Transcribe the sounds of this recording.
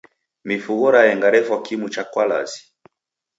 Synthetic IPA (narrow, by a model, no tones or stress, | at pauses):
mifuɣɔɾajɛŋɡaɾɛfwakimut͡ʃakwala̰zi̥